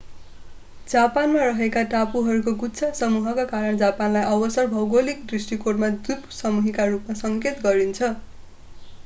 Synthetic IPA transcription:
d͡zapanmaɾʌɦekaʈapuɦʌɾukoɡutːsʰasʌmuɦʌkakaɾʌɳd͡zapanlajʔʌbʌsʌrbʱʌwɡolik̚d̪risʈikoʈmad̪upsʌmuɦikarupmasʌŋket̪ɡʌɾint͡sʰʌ

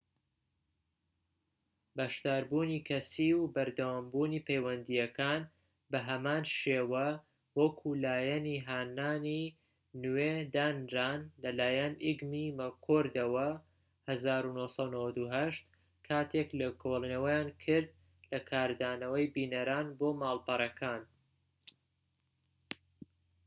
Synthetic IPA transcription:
bɐʃd̪aːɾbuːniːkʰɐsiwbɐɾd̪ɐwaːmbuːniːpʰejwɐnd̪ijɐkʰaːn | bɐɦɐmaːnʃeːwɐ | wɐkʰulaːjɛniɦaːnaːni | nwed̪aːnɾaːnlɐlaːjɐnʔiɡmimɐkʰoɾd̪ɐwɐ | hɐzaːɾunohsˤɑnɐwɐd̪uɦɐʃt̪ | kʰaːt̪ʰeklɐkʰolˠinɐwɐjaːnkʰɨɾd̪̚ | lɐkʰaːɾd̪aːnɐwɐjbiːnɐɾaːnboːmaːlˠpɐɾˤɐkʰaːn

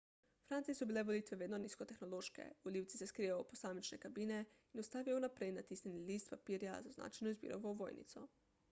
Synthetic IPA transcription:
fɾant̪sijesɔbiːlɛʋolit̪ʋɛʋeːd̪noniːskɔt̪exnoloːʃkɛ̰uliwt̪si̥seskɾijaoposaːmit͡ʃnɛkabiːne | inost̪aːʋijonapɾejnat̪iːsnʲenilist̪papiːɾja̰zazna̰ːt͡ʃajnoizbḭːɾo̰ʋoʋoːjnḭt̪sɔ

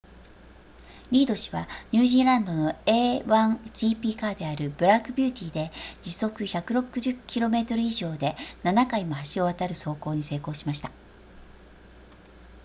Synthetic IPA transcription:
ɾʲiːd̪o̞ɕi̥βaɲ̟ɨːʑĩːɾãnd̪o̞no̞e̞ːβãŋʑ̥iːpʲiːkaːd̪e̞aɾɯ̟b̥ɯ̟ɾakɯ̟bʲɨːt̪ʲiːd̪e̞d͡ʑiso̞kɯ̟çakɯ̟ɾo̞kɯ̟ʑɨkʲiɾo̞me̞t̪o̞ɾɯ̟iʑo̞ːd̪e̞nanakaimohaɕio̞β̞at̪aɾɯ̟so̞ːko̞ːɲ̟ise̞ːko̞ːɕimaɕi̥t̪a

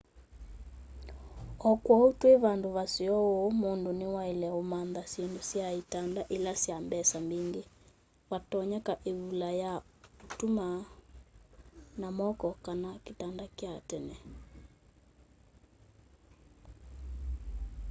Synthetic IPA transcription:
ɔkwɔotweβandoβasiɔomondonewaelɛomanðasjendosjaitandaʔelasjambɛsambeŋɡe | watɔɲakaʔeβulajaotuma | namɔkɔkanaketandakjatɛnɛ

